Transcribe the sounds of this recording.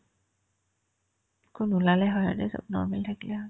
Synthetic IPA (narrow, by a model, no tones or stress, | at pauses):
kʊnulalɛɦɔjadɛsɔ̰b̚nɔ̰ɹmɛltʰakilɛɦɔj